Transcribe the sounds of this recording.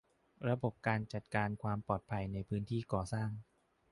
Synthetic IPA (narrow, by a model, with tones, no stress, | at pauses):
ɾa˧bo˨˩p̚kaː˧nt͡ɕa˨˩t̪̚kaː˧nkʰwaː˧mpɔː˨˩t̪̚pʰa˧jna˧jpʰɯː˦˥nt̪ʰiː˥˩kɔː˨˩saː˥˩ŋ